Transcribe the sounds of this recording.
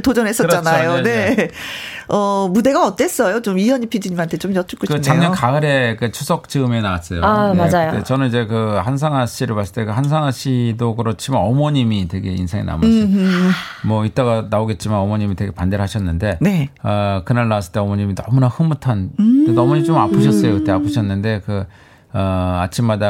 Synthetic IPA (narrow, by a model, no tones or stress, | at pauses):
tod͡ʑʌnɦe̞s͈ʌt͡ɕant͡ɕajone̞ | ʌmude̞ɡaʌt͈e̞s͈ʌjot͡ɕomijʌɲipʰid͡ʑiɲimɦantʰe̞t͡ɕomjʌt͡ɕ͈uk͈oɕit͡ɕːeaŋɲʌnkaɯɾe̞ket͡ɕʰusʰʌk̚t͡ɕiɯme̞naas͈ʌjo̰aad͡ʑajodet͡ɕʌnɯnid͡ʑe̞kɯhans̬ʰaŋaɕ͈ʰiɾɯɭpas͈ɭt͈ekɯhans̬ʰaŋaɕ͈ʰidokɯɾʌt͡ɕʰimanʌmʌɲimitwe̞ɡe̞ḭnsʰeŋḛna̰m | mwʌit͈aɡanaoɡe̞t̚t͡ɕ͈imanʌmʌɲimitwe̞ɡe̞pande̞ɾɦaɕʰʌnːɯnde̞neʌkɯnaɭnawas͈ɯɭt͈e̞ʌmʌɲiminʌmunahɯmutʰandenʌmoɲimt͡ɕomapʰɯɕʰʌs͈ʌjokɯt͈eapʰɯɕʰʌnːɯnde̞kɯ | ʌa̰t͡ɕʰimːada